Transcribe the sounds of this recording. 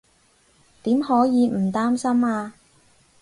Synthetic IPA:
t̪iː˨˥mhɔː˨˥jiː˨˧m̩˨˩t̪aː˥msɐ˥maː˧

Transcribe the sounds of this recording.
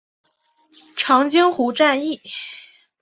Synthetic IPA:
ʈ͡ʂʰɑ˧˥ŋt͡ɕi˥ŋxu˧˥ʈ͡ʂa˥˧ni˥˩

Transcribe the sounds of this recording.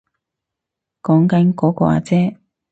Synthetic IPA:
kɔː˨˥ŋkɐ˨˥nkɔː˨˥kɔ̰ː˧a̰ː˧t͡sɛː˥

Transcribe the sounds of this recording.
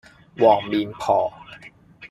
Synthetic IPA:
wɔː˨˩ŋmi˧npʰɔː˨˩˦

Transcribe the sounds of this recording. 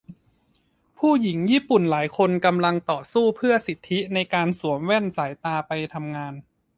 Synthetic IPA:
pʰuː˥˩ji˩˦ŋjiː˥˩pu˨˩nlaː˩˦jkʰo˧nka˧mla˧ŋt̪ɔː˨˩suː˥˩pʰɯ˥˩ɐsi˨˩t̪ʰːi˦˥na˧jkaː˧nsu˨˩˦əmwɛ˥˩nsaː˩˦jt̪aː˧pa˧jt̪ʰa˧mŋaː˧n

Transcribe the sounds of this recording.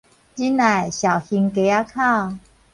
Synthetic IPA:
t͡ɕi˦na˨˩jɕa˨˩whi˧ŋke˨˧˦a˦kʰa˥˧w

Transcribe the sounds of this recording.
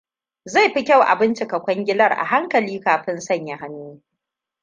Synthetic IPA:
za˦˨jɸi˦kʲa˦˨wʔa̰˨bɪ˦nt͡ʃɪ˨kɐ˨kʷɐ˦ŋɡʲɪ˦lɐ˦rʔa̰˨ɦa˦ŋkɐ˨liː˦kaː˨ɸɪ˦nsɐ˦˨ɲja˨ha˦nːuː˦

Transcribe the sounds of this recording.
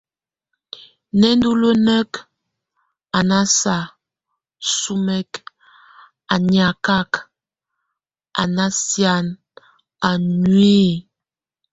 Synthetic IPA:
nɛ˦n˦du˦lə˦nɛ˦k | a˨na˦sa˨ | su˦mɛ˦k | a˨nja˨ka˦k | ʔa̰˨na˦sja˦˨n | a˨nwe˦˨

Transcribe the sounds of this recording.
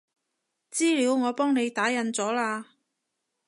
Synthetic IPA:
t͡siː˥liː˨˧wŋɔː˨˧pɔː˥ŋne˨˧jt̪aː˨˥jɐ˨˧nt͡sɔː˨˥laː˧

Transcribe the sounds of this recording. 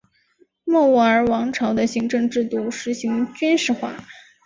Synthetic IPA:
mɔ˥˧u˥˩ə˞˧˥wɑ˧˥ŋʈ͡ʂʰɑ˧˥ʊd̪ə˧ɕi˧˥ŋʈ͡ʂɤ˥˧ŋʈ͡ʂɻ̩˥˧t̪u˥˩ʂɻ̩˧˥ɕi˧˥ŋt͡ɕy˥nʂɻ̩˥˧xwa̰˥˩

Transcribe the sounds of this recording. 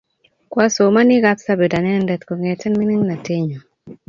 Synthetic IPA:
kwa˦so˨ma˦nɪ˦ɣa˦ksa˦be˨da˨nɛ˦ndɛ˨t̪ko˨ŋe˨tɛ˦nmi˦nɪ˦ŋna˨tɪ˦ɲo˨

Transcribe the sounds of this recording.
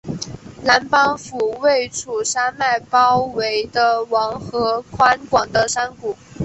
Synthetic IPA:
la˧˥npɑ˥ŋfu˨˩we˥˩ɪʈ͡ʂʰu˨˩ʂa˥nma˥˩ɪpɑ˥ʊwe˧˥ɪd̪ə˧wɑ˧˥ŋxɤ˧˥kʰwa˥nkwɑ˨˩ŋd̪ə˦ʂa˥nku˨˩˦

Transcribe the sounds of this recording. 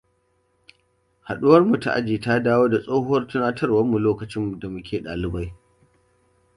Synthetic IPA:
ha˨ɗʊ˦wɐ˦rmu˨ta̰˨ʔa̰˦d͡ʒiː˨ta˦daː˦woː˦da˨sʼoː˦hʊ˦wɐ˦rtʊ˦naː˦tʰɐ˦rwɐ˦mːu˨loː˦kɐ˨t͡ʃɪ˦mːu˨da˨mʊ˦kʲʰeː˨ɗa̰ː˨lɪ˦ba˦j

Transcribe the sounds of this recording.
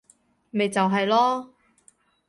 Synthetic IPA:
me˨jt͡sɐ˨wɦɐ˨jlɔː˥

